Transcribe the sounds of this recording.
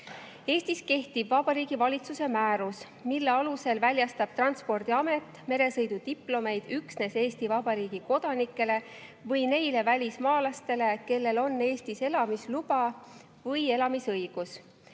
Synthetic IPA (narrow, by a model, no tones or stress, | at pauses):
e̞ːst̪iske̞ht̪ib̥vɑb̥ɑɾiːɡ̥ivɑlʲit̪suse̞mæːɾus | milːe̞ɑluse̞lvælʲjɑst̪ɑb̥̚t̪rɑnt̪spo̞rd̪̥iɑme̞t̪ˑːme̞ɾe̞sɤjd̪ud̪iplo̞me̞jd̪̥yksne̞se̞ːst̪ivɑb̥ɑɾiːɡ̥iko̞d̪̥ɑnikːˑe̞le̞ | vɤjne̞jle̞vælʲismɑːlɑst̪e̞le̞ke̞lːe̞lo̞nːe̞ːst̪ise̞lɑmislub̥ɑ | vɤje̞lɑmisɤjɡ̥us